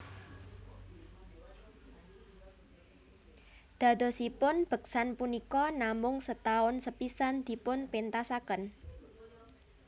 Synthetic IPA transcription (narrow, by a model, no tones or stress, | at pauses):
d̪̥a̤d̪̥o̤sipʊnb̥ə̤k̚sanpunikɔnamʊŋsət̪aʊnsəpisand̪̥i̤pʊnpint̪asakən